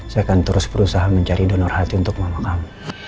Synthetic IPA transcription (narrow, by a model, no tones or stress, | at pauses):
saakant̪əɾʊsbəɾusaɦaməɲt͡ʃaɾidonɔrhat̪iunt̪ʊk̚məmakam